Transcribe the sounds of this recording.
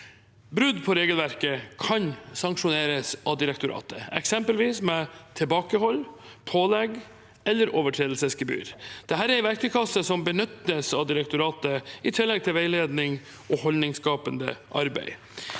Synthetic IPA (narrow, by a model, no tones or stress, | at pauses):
bɾʉd̪pʰɔɾeːɡəlʋæɾkəkʰɑnsɑŋkʂʊneːɾəsʔɑd̪ɪɾɛk̚t̪ʊɾɑ̰ːt̪əɛ̰ksɛmpəlʋiːsmɛt̪ʰɪlbɑːkəhɔlːpʰoːlɛɡ | ɛlːəɾʔoːʋəʈʰɾeːd̪l̩səsɡəby̰ːɾd̪̥ɛɦæːɾæɾʋæɾkəkʰɑsːəsɔmbənʏt̪ːəsɑd̪ɪɾɛk̚t̪ʊɾɑːt̪əɪt̪ʰɪlːɛɡ̚t̪ʰɪlʋæɪleːd̪nɪŋ | ʔɔhɔlnɪŋskɑːpənd̪ə̰ʔɑ̰ɾbæ̰ɪ